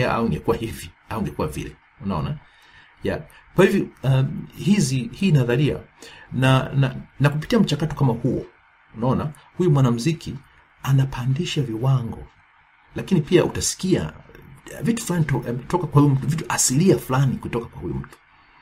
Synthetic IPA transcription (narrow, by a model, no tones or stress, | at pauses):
a̰ʔa̰uŋɡɛkuwahiviauiŋɡɛkuwavḭlɛ | unaɔ̰na | ja̰ | kwahivjɔ | hizihiːnaðalia̰nana̰nakupi̥tiam̩t͡ʃakatɔkamahuɔ̰ | unaɔna | hujumwanam̩zikʰi | anapʰandiʃaviwaŋɡɔ̰ | lakinipiaʔutasi̥kia̰ | vitu̥fulanitɔtɔkakwahujum̩tuvituʔasiliafulanikutɔkakwahujṵm̩tu̥